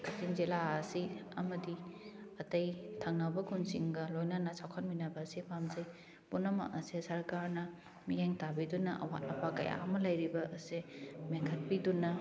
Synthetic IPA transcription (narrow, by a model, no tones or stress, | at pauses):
kɐtʰiŋzilaɐsiɐmɐdiɐtɐjtʰaŋnabɐkʰunsiŋɡɐlojnanɐsawkʰɐnminɐbɐːsipʰamzɐj | punɐma̰ʔɐsesɐɾkaɾnɐ | mijeŋtabidunɐʔɐ̰wa̰t̚ɐpʰakɐ̰ja̰ɐmɐlɐjɾibɐʔɐsemeŋkʰɐt̚pidunɐ